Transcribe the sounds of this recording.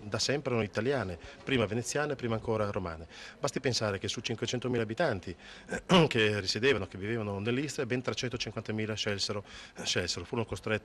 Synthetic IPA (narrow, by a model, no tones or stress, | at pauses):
d̪asɛmpɾeonoit̪aljaːnepɾiːmavenet̪sːjaːnepɾiːmaːŋkoːɾaɾoma̰ːnebast̪ipensaːɾek̟esut͡ʃiŋkwet͡ʃɛnt̪omiːlabit̪ant̪i | k̟erised̪eːvanok̟evːiveːvanonelːist̪ɾebɛnt̪ɾat͡ʃːɛnt̪ot͡ʃiŋkwant̪amiːlaʃɛlseɾoʃɛlseɾofuːɾonokost̪ɾɛt̪ː